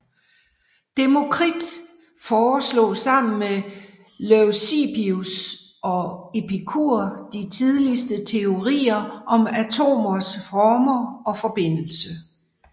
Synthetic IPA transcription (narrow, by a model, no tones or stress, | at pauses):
d̥e̝mo̝kʰʁid̥ | fɒːslɔ̰̽ːsɑ̈m̰n̩me | leʊsib̥ius | ɒ̽e̝pʰikʰuɐ̰d̥it͡sʰið̞ˠlisd̥ət͡sʰe̝o̝ʁḭːɐʔɒ̽mæt͡sʰo̝̰ːmɐsfɒːmɐɒ̽fɒ̽b̥e̝n̰l̩sə